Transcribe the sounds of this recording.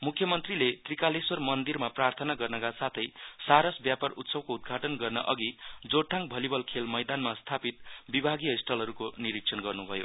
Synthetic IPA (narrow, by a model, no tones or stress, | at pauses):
mukʰːjʌmʌnt̪rilet̪rikalesʌrmʌnd̪irmaprart̪ʰʌnaɡʌrnʌkasat̪ʰʌjsaɾʌsbjaparut̪sʌbkoud̪̚ɡʱaʈʌnɡʌrnʌ̰ʔʌɡid͡zoʈʰːaŋbʱʌlibʌlkʰelmʌjd̪anmast̪ʰapit̪̚bibʱaɡijʌisʈʰʌlɦʌɾukoniɾik̚sʰʌnɡʌrnubʱʌjo̰